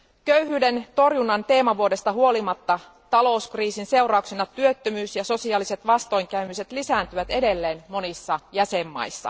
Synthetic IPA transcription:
køyhyːde̞nt̪o̞rjunːɑnt̪e̞ːmɑʋuodest̪ɑhuo̞limɑt̪ːɑ | t̪ɑlo̞uskriːsinse̞urɑuksenɑt̪yøt̪ːømyːsjɑso̞siɑːlise̞t̪ʋɑst̪o̞jŋkæymyse̞t̪lisæːnt̪yʋæt̪e̞de̞lːeːnmo̞nisːɑjæsemːɑ̰jsːɑ̰

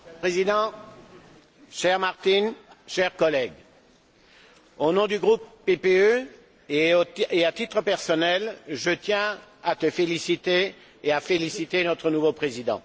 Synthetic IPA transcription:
pχezid̪ɑ̃ | ʃɛʁmaʁt̪inʃɛʁkɔlɛɡ | onɔ̃d̪yɡʁupːepeø | eoeat̪it̪χəpɛʁsɔnɛlʒət̪jɛ̃at̪əfelisit̪eː | afelisit̪enɔt̪χənuvopχezid̪ɑ̰̃

